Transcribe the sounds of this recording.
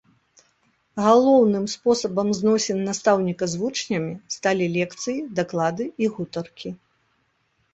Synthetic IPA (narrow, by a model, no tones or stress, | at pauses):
ɣalˠɔwnɨmspɔsɐbɐmznɔsʲɛnːast̪awnʲikɐzvut͡ʂnʲɐmʲist̪alʲilʲɛkt̪sɨjid̪aklˠad̪ɨiɣut̪ɐrkʲi